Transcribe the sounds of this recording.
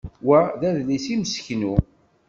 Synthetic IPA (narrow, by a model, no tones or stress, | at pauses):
wæðæðlisiməsçnu